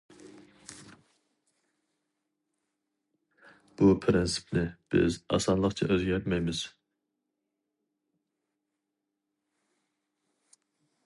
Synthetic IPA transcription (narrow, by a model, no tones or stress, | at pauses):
b̥upʰɾɪnsi̥pʰnɪb̥ɪ̰zɑ̰sɑnlˠəqt͡ʃʰɑʔøzɡʲɛt̪mɛjmɪz̥